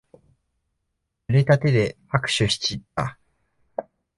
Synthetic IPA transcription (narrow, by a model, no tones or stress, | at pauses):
ɯɾet̪at̪e̞d̪e̞ | akɯ̟̥ɕɨɕi̥t͡ɕit̪ːa̰